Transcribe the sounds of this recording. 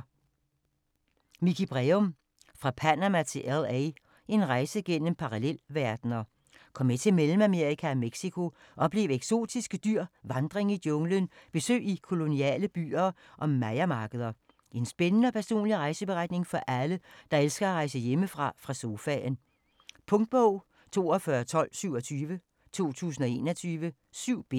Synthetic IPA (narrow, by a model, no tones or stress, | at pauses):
mikʰib̥ʁeom | fʁɑ̈pʰænæmæt͡sʰe̝lʔelˠɛɪ | e̝nʁɑ̈ɪsəɡ̥en̰əm̩pʰɑ̈ʁɑlel̰ʋæɐd̥nɐː | kʰɒ̽m̰ːet͡sʰe̝melm̩æme̝ɐ̰ikʰæɒmeɡ̥sikʰo̝ | ʔɒ̽b̥le̝ːʊeɡ̥so̝̰ːd̥isɡ̥əd̥yɐ̰ʋɑ̈nd̥ʁeŋid̥jɔ̽ŋlənb̥e̝sø̰ːikʰo̝lo̝niɛ̰ːləb̥y̰ːɐː | ʔɒ̽mːæɪɐmɑ̈ːɡ̥əð̞ˠɐ | ʔe̝nsb̥enənəɒpʰæɐso̝̰ːnliʁɑ̈ɪsəb̥e̝ʁɑ̈d̥ne̝ŋfɒ̽ʔæləd̥ɑ̈elsɡ̥ɐæʁɑ̈ɪsəjeməfʁɑ̈fʁɑ̈so̝fɛn | pʰɔ̽ŋd̥̚b̥ɔʊ̰ | t͡sʰo̝̰ːɒfɶːɐt͡sʰɒ̽l̰syʊ̰ɒ̽t͡sʰyːʋə | t͡sʰo̝̰ːt͡sʰṵːs̬n̩ɒ̽e̝ːnɐt͡sʰyːʋə | syʊ̰b̥e